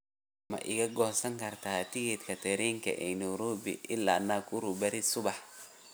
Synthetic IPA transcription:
mɐ̰ʔɪɣɐɡɔːsɐŋkʰɐrt̪ʰaːt̪ʰɪɣɪt̪kʰɐt̪ʰɛɾiːŋkʰɐ̰ʔɛnɔɾɔːbɪ̰ʔɪlːa̰ːnaːkʰʼʊɾʊbɐɾɪsʊβɑħ

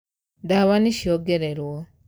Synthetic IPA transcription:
daβaniʃioɡeɾeɾwo

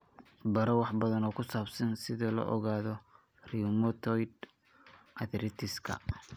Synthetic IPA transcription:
bɐɾɔwɑħbɐðɐnɔːkʰʊsaːbsɐnsɪðɔlɔ̰ʔɔɣaːðɔ | rimɔt̪ʰɔjd̪ | ʔɐðɾɪt̪ʰɪskʰɐ̰

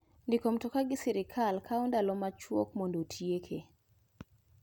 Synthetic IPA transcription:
ndɪkomtɔkaɡɪsɛɾɪkʰalkʰaundalɔmat͡ʃwɔ̰kmondotʰjekʰe

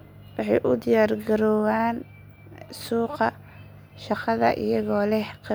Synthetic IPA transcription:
wɑħɑjʔʊd̪ɪjaːrɡɐɾɔːwaːn | suːqɑ | ʃɑqɑðɐ̰ʔɪ̰jɐɣɔːlɛhq

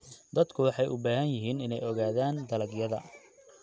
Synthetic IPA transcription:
d̪ɐd̪kʰʊwɑħɑjʔʊbaːɦɐnjɪɦiːnɪnɛjɔɣaːðaːnd̪ɐlɐɡjɐðɐ̰

